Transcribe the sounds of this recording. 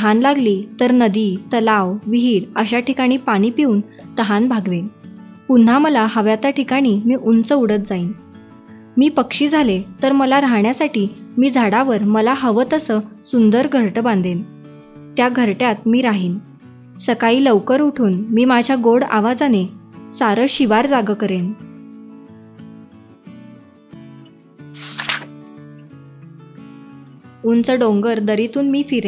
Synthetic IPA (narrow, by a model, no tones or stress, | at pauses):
əɦanlaɡliːt̪əɾnəd̪iːt̪əlaʋʋiɦiːɾəɕaʈikaɽ̃iːpaɽ̃iːpiuːn | t̪əɦanbʱaɡʋen | pun̤aməlaɦəʋjat̪aʈʰikaɽ̃iːmiːʔunt͡səuɽət̪̚d͡zaiːn | miːpəkʂiːd͡zʱalet̪əɾməlaɾaɦɳjasaʈiːmiːd͡zʱaɽaʋəɾməlaɦəʋət̪əsəsund̪əɾɡʱəɾʈəbãnd̪ʱen | t̪jaɡʱəɾʈjat̪̚miːɾaɦiːn | səkaiːləʋkəɾuʈʰuːnmiːmad͡ʑʱjaɡoɽa̰ʋad͡zanesaɾəɕiʋaɾd͡zaɡəkəɾen | unt͡səɖoŋɡəɾd̪əɾit̪uːnmiːfiɾe